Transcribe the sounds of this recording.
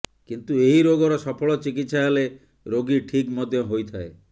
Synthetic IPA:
kint̪ueɦiɾoɡɔɾɔsɔpʰɔɭɔt͡ʃikit̪saɦele | ɾoɡiʈʰikmɔd̪ʱjɔɦojt̪ʰae

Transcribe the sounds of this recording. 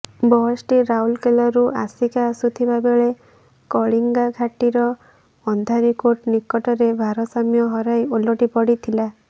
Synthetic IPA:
bɔɦɔsʈiɾaulkelɔɾuasikaːsut̪ʰibabeɭe | kɔɭiŋɡaɡʱaʈiɾɔː | nd̪ʱaɾikoʈnikɔʈɔɾebʱaɾɔsamjɔɦɔɾajolɔʈipɔɽit̪ʰila

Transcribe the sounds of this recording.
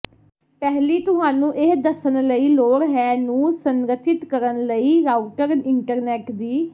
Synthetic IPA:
pɛːɦliːt̪ʊɦaːnũːʔeɦd̪əsənləiːloːɾɦɛːnũːsəŋɾəʃɪt̪kəɾənləiːɾaːuʈəɾɪɳʈəɾnɛːʈd̪iː

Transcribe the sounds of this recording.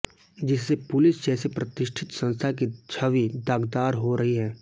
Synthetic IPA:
d͡ʒɪsːepʊlɪsd͡ʒɛːsepɾɐt̪ɪʃʈʰɪt̪sɐ̃nst̪ʰakit͡ʃʰɐʋid̪aːɡd̪aːɾɦoɾɐɦiɦɛː

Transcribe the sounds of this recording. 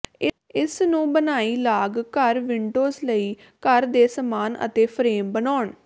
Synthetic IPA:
ɪ | ɪsnũːbənaːiːlaːɡkəɾʋɪɳɖoːzləiː | kəɾd̪eːsəmaːnə̰t̪eːpʰɾeːmbənaːɳ

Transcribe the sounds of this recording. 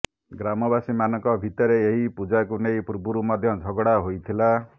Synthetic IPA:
ɡɾamɔbasimanɔkɔbʱit̪ɔɾeeɦipud͡ʒak̬unejpuɾbuɾumɔd̪ʱjɔd͡ʒʱɔɡɔɽaɦojt̪ʰila

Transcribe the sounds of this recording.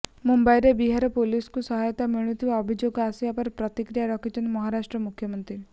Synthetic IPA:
mumbajɾebiɦaɾɔpoliskusɔɦajɔt̪amiɭ̃ut̪ʰibaɔbʱid͡ʒoɡɔasiapɔɾpɾɔt̪ikɾijaɾɔkʰit̪ɔnimɔɦaɾasʈɾɔmukʰːjɔmɔnt̪ɾi

